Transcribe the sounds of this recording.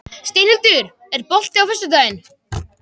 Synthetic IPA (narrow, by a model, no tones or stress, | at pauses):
st̪ejnɪlt̪ʏɾ | ɛɾpɔl̥t̪ɪawfɛsːʏt̪œːɥjɪn